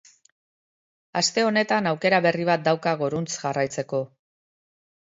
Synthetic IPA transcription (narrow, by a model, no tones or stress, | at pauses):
ast̪e̞o̞ne̞t̪anawke̞ɾaβe̞riβ̞at̪̚d̪awkaɣoɾunt͡sʝarajt͡se̞ko̞